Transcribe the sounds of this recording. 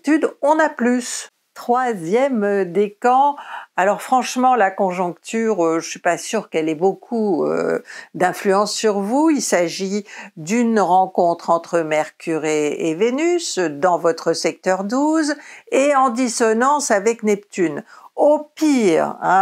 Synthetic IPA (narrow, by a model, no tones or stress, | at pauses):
t̪yd̪ɔ̃naplys | t̪χwazjɛmd̪ekɑ̃alɔʁfχɑ̃ʃmɑ̃lakɔ̃ʒɔ̃kt̪yʁøʒəsɥipasyʁkɛlɛbokʰuø̰d̪ɛ̃flyɑ̃sːyʁvuilsaʒid̪ynʁɑ̃kɔ̃t̪χɑ̃t̪χəmɛʁkʲʰyʁeevenysd̪ɑ̃vɔt̪χəsɛk̚t̪œʁd̪uzeɑ̃d̪isɔnɑ̃savɛknɛpt̪ynopiʁɛ̃